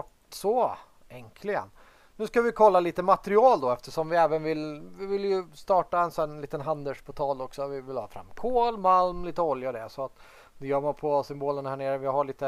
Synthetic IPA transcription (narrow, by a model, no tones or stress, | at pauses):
ɔʈ | sɔ | ɛŋkʰlɪɡə̰n | nʉ̟ːskavɪkʰɔlːaliːt̪əmat̪əɾɪɑːld̪ɔɛft̪əʂɔmvɪɛːvənvɪlvɪvɪljɵst̪ɑːʈaɛnsɛnliːt̪ənɦand̪əʂpʰɔt̪ʰɑːlɔksɔvɪvɪlhɑ̰ːfɾa̰mːkʰoːlmalmliːt̪əɔljaɔd̪ɛ̰sɔat̪ | d̪ɛjœːɾmanpʰɔsʏmboːlənhæːɳeːɾəvɪɦaɭiːt̪ə